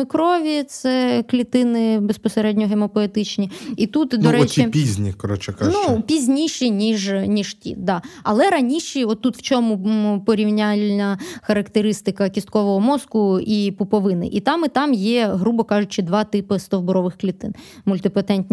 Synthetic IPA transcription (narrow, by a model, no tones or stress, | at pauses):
kɾɔʋʲit̪sɛklʲit̪ɪnɪbespɔseɾɛdʲnʲɔɦemɔpɔet̪ɪt͡ʃnʲiit̪ut̪d̪ɔɾɛt͡ʃipʲizʲnʲikɔɾɔt͡ʃɛkanupʲizʲnʲiʃinʲiʒnʲiʒtʲḭd̪ɑɐlˠɛɾɐnʲiʃiɔt̪ːut̪w̥t͡ʃɔmʊpɔɾʲiwnʲalʲnʲɐxɐɾɐkt̪eɾɪst̪ɪkɐkʲist̪̚kɔʋɔɦɔmɔskʊipʊpɔʋɪnɪ̰ʔit̪ɑmɪt̪ɑmjɛɦɾubɔkɑʒʊt͡ʃɪd̪ʋɑt̪ɪpɪst̪ɔwbʊɾɔʋɪxklʲit̪ɪn | mʊlʲt̪ɪpɐt̪ɛnʲtʲnʲ